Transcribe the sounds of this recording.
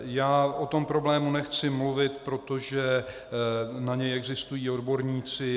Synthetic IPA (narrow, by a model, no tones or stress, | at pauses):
jaːʔot̪o̞mpɾo̞blɛːmunɛxt͡sɪmluvɪt̪pɾo̞t̪o̞ʒɛ | naɲɛjɛɡzɪst̪ujiːo̞dbo̞ɾɲiːt͡sɪ